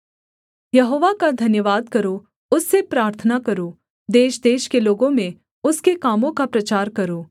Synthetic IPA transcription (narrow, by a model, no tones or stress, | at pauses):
jɐɦoːʋakad̪ʱɐnjəʋaːd̪̚kɐɾo | ʊsːepɾaːɾt̪ʰənakɐɾoː | d̪eːʃd̪eːʃkeloːɡõmẽ | ʊskekaːmõkapɾɐt͡ʃaːɾkɐɾoː